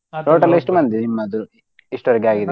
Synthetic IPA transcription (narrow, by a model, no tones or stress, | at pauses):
ʈoːʈɐliʂʈumɐnd̪iimːɐd̪uɾ | iʂʈuʋɐɾɐɡeaːɡid̪e